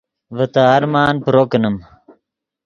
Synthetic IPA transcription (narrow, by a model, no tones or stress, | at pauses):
ʋət̪aːɾmaːnpɾoknəm